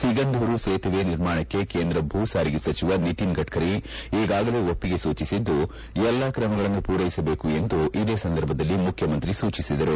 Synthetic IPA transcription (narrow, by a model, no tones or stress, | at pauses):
siɡɐnd̪ʱuɾuseːt̪ɐʋeniɾmaːɳɐkːe̞ke̞ːnd̪ɾɐbʱuːsaːɾiɡesɐt͡ʃiʋɐniʈinɡɐʈkʰɐɾiiːɡaːɡɐle̞ːopːiɡe̞suːt͡ʃisid̪ːu | ɛlːakɾɐmɐɡɐɭɐnːupuːɾɐjisɐbeːkue̞nd̪uʔid̪e̞ːsɐnd̪ɐɾbʱɐd̪ɐlːimukʰjɐmɐnt̪ɾisuːt͡ʃisid̪ɐɾu